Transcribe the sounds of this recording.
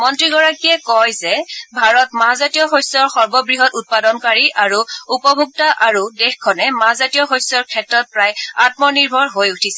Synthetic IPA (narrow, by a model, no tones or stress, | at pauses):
mɔntɹiɡɔɹakijɛkɔjzɛbʱaɹɔtmaɦazatijɔxojsɔɹxɔɹbɔbɹiɦɔtut̚padɔnkaɹiʔaɹuupɔbʱuk̚taʔaɹudexkʰɔnɛmaɦzatijɔxojsɔɹkʰɛtɹɔt̚pɹajat̚mɔniɹbʱɔɹɦojutʰisɛ